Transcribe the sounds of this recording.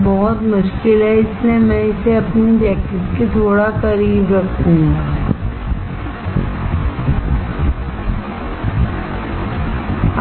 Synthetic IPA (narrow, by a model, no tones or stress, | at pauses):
bɔɦʊt̪mʊʃkɪlɦɛɪslemɛ̃ɪseɐpnibɛːkɪkket̪ʰoːɽakɐɾiːbɾɐkʰũŋɡaː